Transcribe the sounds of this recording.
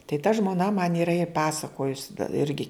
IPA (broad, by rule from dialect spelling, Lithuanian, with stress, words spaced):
tɐɪ tɐ ʒmoːˈnɐ mɐn iːˈrɐ ɪ ˈpɑːsɐkoːjʊs ˈɪrʲɡʲɪ